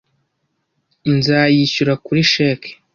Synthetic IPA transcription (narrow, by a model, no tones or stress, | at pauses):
nzaːjiɕuɾakuɾiʃeke̥